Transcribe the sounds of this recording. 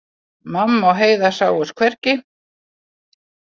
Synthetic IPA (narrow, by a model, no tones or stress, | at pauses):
mamːawɦeːjðasaːwʏskʰvɛrcɪ